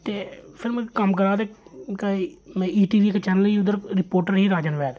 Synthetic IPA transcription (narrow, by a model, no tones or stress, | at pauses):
t̪eːpʰɪɾmɛ̃kəmkəɾaːd̪eːkaimɛ̃ːiːʈiːʋiːkət͡ʃɛːnəliːʊd̪əɾɾɪpoːɾʈəɾɦiːɾaːd͡ʒənʋɛːd̪